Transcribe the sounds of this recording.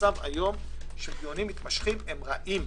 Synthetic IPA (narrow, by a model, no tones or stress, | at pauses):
ava̰jo̞m | ʃebjonimːit̪maʃχimemʁaʔim